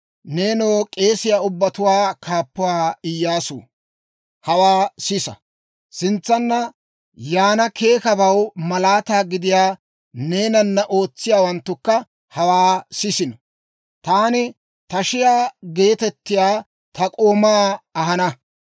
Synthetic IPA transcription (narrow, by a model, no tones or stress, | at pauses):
ne̞ːnoːkʼe̞ːsɪjaːʊbːɐt̪ʊwaːkʰaːpːʊwaːɪjːaːsṵː | hɐwaːsɪsɐ̰ | sɪnt͡sːɐnːɐ | jaːnɐkʰe̞ːkɐbɐwmɐlaːt̪aːɡɪd̪ɪjaː | ne̞ːnɐnːɐʔo̞ːt͡sːɪjaːwɐnt̪ːʊkːɐ | hɐwaːsɪsɪnɔ | t̪aːnɪ | t̪ɐʃɪjaːɡe̞ːt̪ɛt̪ːɪjaː | t̪ɐkʼoːmaːɐɦɐnɐ